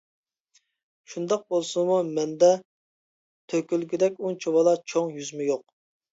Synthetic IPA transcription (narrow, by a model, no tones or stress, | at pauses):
ʃund̪ɑq̚bolˠsumumɛnd̪ɛ | t̪ʰøkʲylɡʲyd̪ɛkʲut͡ʃʰowɑlˠɑt͡ʃʰoŋjyzmujoq̚